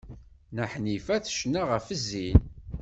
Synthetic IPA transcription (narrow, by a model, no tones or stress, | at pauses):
nəħnifæθʃnaʁəfəzːin